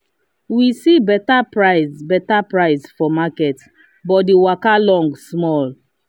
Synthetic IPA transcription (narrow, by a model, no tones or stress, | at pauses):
wisibɛtapɹaɪsbɛtapɹaɪsfɔmakɛt | bɔtdiwakalɔ̃ŋɡsmɔl